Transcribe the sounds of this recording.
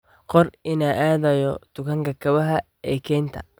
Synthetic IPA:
qɔrɪnaʔaːðɐjɔd̪̥ʊkʰɐŋkʰɐkʰɐβɐɦɐ | ɛːkʰɛːnt̪ʰɐ̰

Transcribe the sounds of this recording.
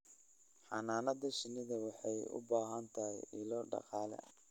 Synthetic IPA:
ħɑnaːnɐðɐʃɪnɪðɐwɑħɑjʊ̰baːɦɐnt̪ʰɐɦɪjɪlɔːɖɑ̰qɑːlɛ̰

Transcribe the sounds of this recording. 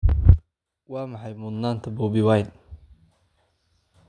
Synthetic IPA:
wɑːmɐħɑjmʊd̪naːnt̪ʰɐbuːbɪwajn

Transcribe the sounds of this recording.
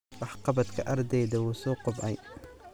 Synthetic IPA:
wɑħqɑbɐd̪kʰɐʔɐrd̪ɛjðɐwuːsɔːqʊbʔɐj

